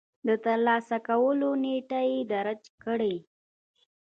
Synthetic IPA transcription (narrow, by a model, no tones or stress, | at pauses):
d̪ət̪əɾlɑsakawəloneʈajed̪aɾat͡ʃkəɽej